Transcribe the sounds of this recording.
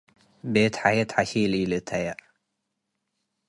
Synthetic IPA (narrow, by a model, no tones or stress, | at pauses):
bet̪ħajɐt̪ħaʃililɨt̪ʰːaja